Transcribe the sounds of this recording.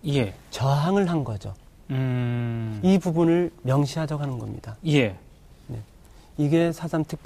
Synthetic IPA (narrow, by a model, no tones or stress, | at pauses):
jet͡ɕʌɦaŋɯɭɦanɡʌd͡ʑo̰ | ɯ | ibubunɯɭmjʌŋɕʰiɦad͡ʑʌɡɦanɯnɡʌ̰mɲḭdaje | ne̞̰ | iɡe̞sʰad͡ʑamtʰɯk̚p